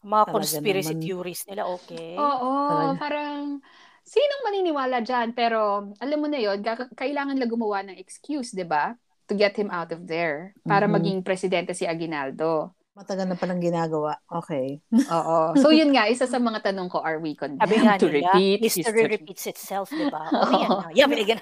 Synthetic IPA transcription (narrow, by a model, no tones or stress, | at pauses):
mɐŋakonsɡpɪɾɐsijuːɾisnɪlaʔoːkɛʔoːʔopaːɾɐŋ | siːnoŋmɐniːnɪwaːlɐd͡ʒanpɛːɾo̞ʔɐlɐmːonɐjo̞nkakkɐʔɪlaːŋɐnlɐɡʊmɐwanɐŋɛkskjusd̪ɪba | t̪ʊɡɛt̪̚hɪmʔawt̪ɔfd̪ɛɹpaːɾɐmɐɡiŋpɾɛsɪd̪ɛnt̪ɛsiʔɐɡɪnald̪o̞ | mɐt̪ɐɡɐlnɐpɐlɐŋɡɪnaːɡɐwaʔʔoːkɛjʔoːʔosowjʊnŋaʔɪsasɐmɐŋat̪ɐnoŋko̞ʔɐɹwikond̪abɪt̪ʊɹɪpit̪ɛɹɪpit̪sɪt̪sɛlfd̪ɛbaojamɪɡɐ